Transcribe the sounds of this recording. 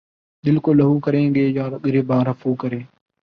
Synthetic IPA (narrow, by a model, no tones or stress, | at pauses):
d̪ɪlkoːləɦũːkəɾẽːɡeːjãːɾɠɾeːbaːɾəfʰuːkəɾeː